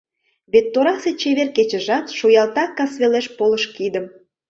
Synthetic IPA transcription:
βet̪ːoɾɑset͡ɕeβerket͡ɕə̆ʒɑt̪ʃujɑlt̪ɑkːɑsβeleʃpoləʃkid̪əm

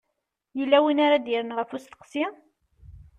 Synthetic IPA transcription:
jəlːæwinaɾad̪iɾənʁəfust̪ə̥qsi

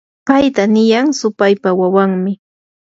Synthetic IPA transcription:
pajt̪anɪjaŋsʊpajpawawaŋmɪ

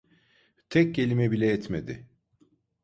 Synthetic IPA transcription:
t̪ʰɛc̚cːe̞lʲimɛbilʲɛɛt̪med̪ɪ

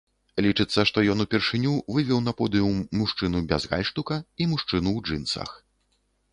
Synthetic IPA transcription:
lʲit͡ʂɨt̪sːɐʂt̪ɔjɔnupʲɛrʂɨnʲuvɨvʲɛwnɐpɔd̪ɨumuʂt͡ʂɨnubʲa̰zɣa̰lʲʂt̪ukɐimuʂt͡ʂɨnuwd͡ʐɨnt̪sɐ̰x

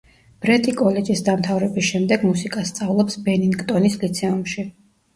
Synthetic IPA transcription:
b̥ɾɛt̪ʰʼikʼɔlɛd͡ʒisd̪amt̪ʰavɾɛbisʃɛmd̪ɛɡmusikʼast̪sʼavlˠɔpsbɛniŋɡt̪ʼɔnislit̪sʰɛumʃi

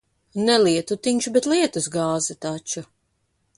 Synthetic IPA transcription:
nɛliɛt̪ut̪iɲʲt͡ʃubɛt̪liɛt̪usɡaːzat̪at͡ʃu

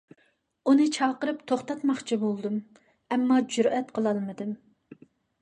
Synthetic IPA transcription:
unɨt͡ʃʰɑːqəɾɨpt̪ʰoχt̪ɑt̪mɑχt͡ʃʰibolˠd̪ɨm | ɛmːɑd͡ʒuɾɛt̪qʰəlˠɑlˠmɨd̪ɨm

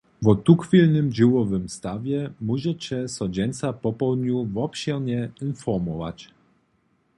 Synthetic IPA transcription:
vɔt̪uxfʲilnɘmd͡ʑɛwɔvɘmst̪avʲjɛmuʑɛt͡ɕɛsɔd͡ʑɛnt̪sapɔpɔd̪ɲuvɔpɕɛɾɲɛinfɔɾmɔva̰t͡ɕ

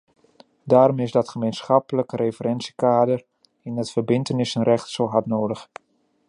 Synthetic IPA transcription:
daːɾɔmɪzdɑtχəmejnsχɑpələkərejfərɛnsikaːdər | ɪnətfərbɪntənɪsənrɛχtsoɦatnoːdəχ

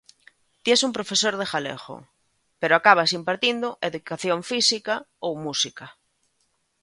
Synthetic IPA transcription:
t̪jesumpɾofesoɾð̞exalḛxo̰ | peɾoakaβ̞asimpaɾt̪ind̪oʔeðukaθjoɱfisikaowmusika

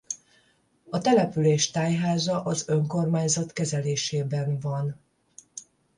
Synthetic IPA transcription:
ɒt̪ɛlɛpyleːʃt̪aːjɦaːzɒʔɒzø̞ŋko̞rmaːɲzɒt̪kɛzɛleːʃeːbɛnvɒn

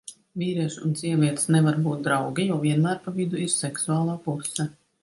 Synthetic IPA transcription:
vʲiːɾiɛʃunsiɛvʲiɛt̪snɛvaɾbuːt̪̚d̪ɾawɡʲɛjɔviɛnmæːɾpavid̪uiɾsɛksuaːlˠaːpusɛ

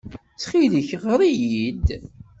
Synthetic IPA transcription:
t͡sːχiðəçʁəɾˤijid̪

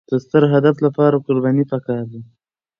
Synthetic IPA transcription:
d̪̥əst̪əɾɦad̪aflapɑɾakʊɾbɑnipakɑɾd̪i

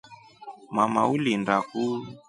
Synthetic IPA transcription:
mamaulindaku

